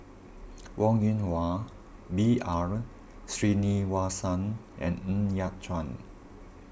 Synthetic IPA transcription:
wʔɔ̃ŋĩnwa | biaɹ | sɹiniwasãn | ʔɛ̰̃nĩnjat̚t͡ʃãn

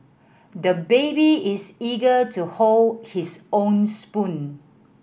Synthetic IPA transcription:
dəbebiɪsiɡətuholdhisõnspũn

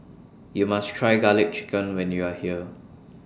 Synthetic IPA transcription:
jumastʰɹajɡalɪt̚t͡ʃi̥kə̃nwɛ̃njuahiə

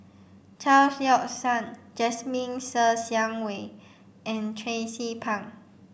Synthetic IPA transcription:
t͡ʃalsjɔk̚sãnd͡ʒɛsmĩnsəsjãŋwe | ʔɛ̃ntʰɹesipʰãŋ

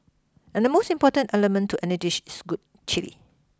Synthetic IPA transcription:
ʔɛ̃ndəmostĩmpɔtə̃ntɛləmə̃ntʰːuʔɛnəd͡ʒiʃsɡut̚ | t͡ʃilḭ

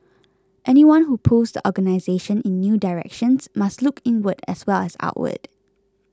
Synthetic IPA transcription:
ʔɛniwãnɦupʰusd̪əʔɔɡənaɪzeʃə̃nɪ̃nːjuːdaɹɛ̰kʃə̃nsmastlukʰɪ̃nwədɛ̰swɛlɛsa̰ʊʔwə̰d̥

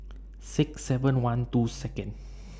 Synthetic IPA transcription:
siksɛvə̃nwãnt̪uːsɛkə̃n

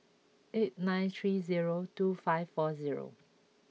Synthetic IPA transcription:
et̚nãj̃nt̪ʰɹiziɹotufaɪvfɔziɹo̰

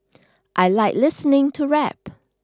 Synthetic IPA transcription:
ʔaɪlaɪklɪsənɪ̃ŋtʰuɹɛp

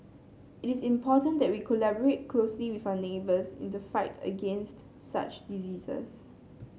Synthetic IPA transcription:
ɪtisĩmpʰɔtə̃ndɛt̚wikʰɔlɛbɔɹet̚kʰlosliwiθaʊənebəsɪ̰̃ndəfaɪtʰə̰ɡẽnst | sa̰t͡ʃdiziːzə̰s

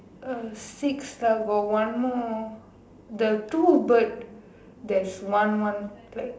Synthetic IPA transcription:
əsikslaɡɔwãnmɔ | d̪ətubət̚ | d̪ɛtswãnwãnlak̚

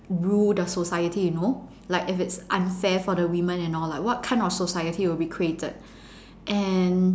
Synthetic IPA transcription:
ɹuldəsosaɪjətijuno | laɪkɪfɪtsʔãnfɛfɔɾəwĩmə̃nɛ̃nɔlaɪkwɔt̚kʰãɪ̃ndɔfsosaɪətiwɪlbikʰɹietə̰d̚ | ʔɛ̃n

